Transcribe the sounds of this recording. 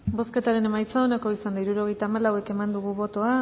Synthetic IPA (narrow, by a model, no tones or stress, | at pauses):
bo̞ske̞t̪aɾe̞ne̞majt͡saonako̞isand̪aiɾuɾo̞ɣ̞e̞jt̪aːmalawe̞ke̞mand̪uɣ̞uβo̞t̪o̞a